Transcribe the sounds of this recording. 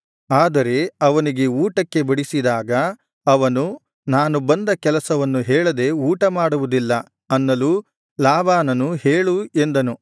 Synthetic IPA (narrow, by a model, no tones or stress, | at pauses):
aːd̪ɐɾe̞ɐʋɐniɡe̞uːʈɐkːe̞bɐɽisid̪aːɡɐ | ɐʋɐnu | naːnubɐnd̪ɐkɛlɐsɐʋɐnːuɦɛːɭɐd̪e̞uːʈɐmaːɽuʋud̪ilːɐ | ɐnːɐluː | laːbaːnɐnuheːɭue̞nd̪ɐnu